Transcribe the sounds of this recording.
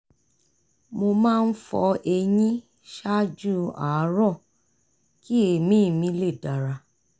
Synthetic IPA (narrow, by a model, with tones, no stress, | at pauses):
mo˧mãː˦˧n̩˦fɔ̰˧e˧jĩ˦ | ʃa˦d͡ʒu˦a̰˨˦ɾɔ̃˦˨ | ki˦e˨mĩ˨˦˨mĩ˨˧˦le˦˨da˨ɾa˧